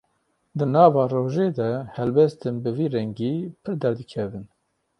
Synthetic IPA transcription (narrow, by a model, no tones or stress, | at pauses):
d̪ɨnɑːvɑːroːʒeːd̪ɛhɛlbɛst̪ɨnbɨviːɾɛŋɡiːpʰɨɾd̪ɛɾd̪ɨkʰɛvɨn